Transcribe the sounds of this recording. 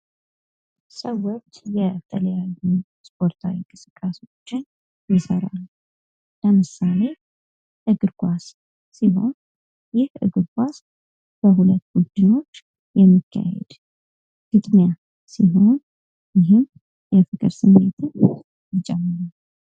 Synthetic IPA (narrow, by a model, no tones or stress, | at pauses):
səwːot͡ʃːjɛt̪ʰələjaju | spʰʼo̞ɾt̪ʰawiŋkʼɨsɨkʼːaso̞t͡ʃːɪn | jɪsəɾa̰l | ləmɨsale̞ | ʔɨɡɨɾkʰʼʷasː | iɦo̞̰n | jɪhɨ̰ɡɨɾɡʷʰas | bəɦulət̪ːɡud̪ɨɲo̞t͡ʃː | jɛmːikʰːa̰hɛ̰d̪̥ | ɡ̥ɨt̪ʼnja | siɦo̞n | jɪɦɨm | jɛfɨkʼɨ̰ɾsɨmːe̞t̪ʰɨn | jɪt͡ʃʼɛmːɨɾal